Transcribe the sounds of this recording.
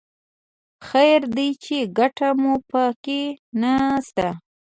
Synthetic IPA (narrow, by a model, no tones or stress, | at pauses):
xajɾd̪it͡ʃeɡaʈamupəkenast̪a